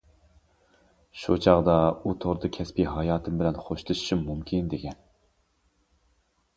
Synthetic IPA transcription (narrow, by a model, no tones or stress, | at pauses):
ʃṵt͡ʃʰɑʁd̪ɑut̪ʰoɾd̪ɨkʲʰɛspiɦɑjɑːt̪ʰɨmbɪlɛnχoʃlˠɨʃɪ̥ʃimmumkʲʰind̪ekʲʰɛn